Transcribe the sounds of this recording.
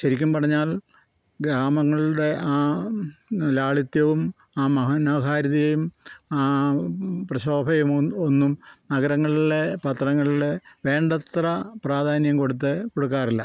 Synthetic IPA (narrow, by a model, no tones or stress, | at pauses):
ɕɐɾikʲːumpɐrʰɐɲːaːl | ɡɾaːmɐŋːɐɭuɽe̞aː | laːɭit̪jɐʋum | aːmɐɦɐnɐɦaːɾɐðijejumaː | prɐɕoːbʱɐjumonːumnɐɡɐɾɐŋːɐɭiɽe̞pɐt̪rɐŋːɐɭiɽe̞ʋe̞ːɳɖɐt̪rɐpraːd̪ʱaːnjɐmko̞ɽut̪̬ːɨko̞ɽuk̬ːaːrilːɐ